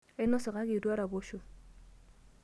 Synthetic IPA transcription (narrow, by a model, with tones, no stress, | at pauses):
ɛ˦nɔ˦sɔ˨ka˦kɪ˨dwa˦ɾa˨bo˦ʃo˨